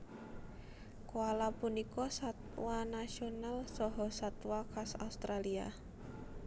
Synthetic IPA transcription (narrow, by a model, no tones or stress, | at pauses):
koalapunikɔsat̪̚wanasionalsɔɦɔsat̪wakasa̰ust̪ɾalia̰